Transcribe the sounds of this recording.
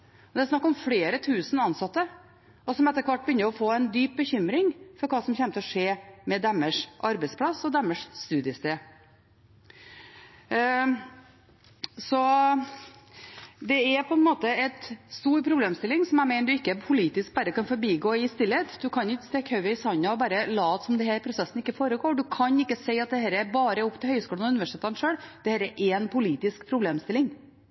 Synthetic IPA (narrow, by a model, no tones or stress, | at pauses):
ɔd̪ɛæɾsnɑkːɔmfleːɾət̪ʰʉːsən̩ɑnsɑt̪ːə | ɔsɔmɛt̪ːəɾkʰʋɑʈ̚ːbəʏnːəɾɔfoːɛnd̪yːp̚bəçʏmɾɪŋfɔɾkʰɑːsɔmçɛnt̪ʰəɔʂeːmɛd̪ɛmːəʂʔɑɾbɛɪspʰlɑsɔd̪ɛmːəʂst̪ʉːd̪ɪəst̪eː | sɔ | d̪ɛɛɾpʰɔɛnmoːt̪əɛt̪st̪uːɾpʰɾʊbleːmst̪ɪlːɪŋsɔmæɪmæɪnəd̪ʉɪkːəpʰʊliːt̪ɪsk̚bɑːɾəkɑnfɔɾbiːɡoːɪst̪ɪlːət̪d̪ʉkʰɑnjɪkːəst̪ɛkhœʉəɪsɑnɑɔbɑːɾəlɑːt̪sɔmd̪ɛɦæːɾpʰɾʊsɛsn̩ɪkːəfoːɾəɡoːɖʉkʰɑnɪkːəseɪɑt̪̚d̪ɛhɛːɾəɛɾbɑːɾəʊpːt̪ʰɪlhœʏskuːlənʉnʋæʂɪt̪eːt̪ɑnʂøːɽd̪̥ɛhɛːɾɛɾʔɛnpʰʊliːt̪ɪskpʰɾʊbleːmst̪ɪlːɪŋ